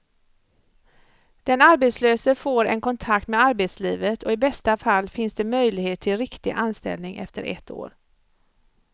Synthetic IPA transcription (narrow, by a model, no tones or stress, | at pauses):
d̪̥ɛnaɾbet̪sløːsəfoːɾɛ̰nkɔnt̪ʰak̚t̪mɛaɾbeːt̪sliːvət̪ʰɔɪbɛst̪afalːfɪnsd̪ɛmœjlɪɡheːt̪ʰːɪlɾɪkt̪ɪʔanst̪ɛ̰lnɪŋʔɛ̰ft̪əɾʔɛ̰t̪ːo̰ːɾ